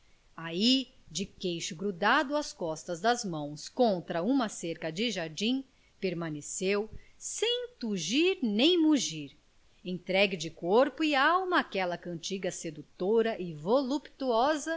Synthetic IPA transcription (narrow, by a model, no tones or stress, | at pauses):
ai | d͡ʒɪkejʃʊɡɾud̪ad̪ʊɐskɔst̪ɐzd̪ɐzmɐ̃w̃skõnt̪ɾɐũmɐseɾkɐd͡ʒɪʒaɾd͡ʒĩ | peɾmɐ̃nesewssẽj̃t̪uʒiɾnẽj̃muʒiɾ | ẽt̪ɾɛɡɪd͡ʒɪkoɾpʊɪawmɐːkɛlɐkɐ̃nt͡ʃiɡɐsed̪ut̪oɾɐʔɪvolupt̪uɔzɐ